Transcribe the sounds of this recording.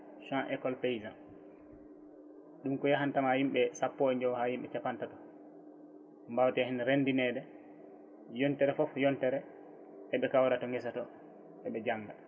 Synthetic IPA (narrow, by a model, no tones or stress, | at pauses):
ʃãʔɛkɔlpejzan | ɗumkɔjaɦantamahimɓɛsapːɔɛɲd͡ʒɔwhahimɓɛt͡ʃapantatɔ̥ | mbawtɛhinɾendinɛdɛ | jɔntɛɾɛfɔfjɔntɛɾɛ | ʔɛɓɛkawɾatɔŋɡɛsatɔ | ʔɛɓɛd͡ʒaŋːɡa